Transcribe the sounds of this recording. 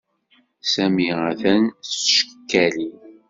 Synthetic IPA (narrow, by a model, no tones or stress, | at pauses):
sæmiæθænsʃə̥əkːæli